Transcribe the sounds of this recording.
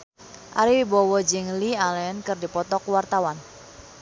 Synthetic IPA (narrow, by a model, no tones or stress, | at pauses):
ʔa̰ɾiwibɔwɔd͡ʒɪŋlialɛnkɨrdipɔt̪ɔkwart̪awan